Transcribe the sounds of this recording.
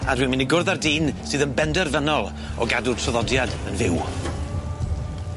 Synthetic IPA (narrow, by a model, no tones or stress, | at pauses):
adwiːmɨniɡʊrðardiːnsɨːðənbɛndɛrvənɔlˠ | ɔ̰ɡadʊrtʰrɔðɔdjadənvɪw